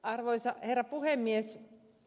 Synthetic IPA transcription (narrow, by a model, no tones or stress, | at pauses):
ɑrʋoisɑherːɑpuhemːies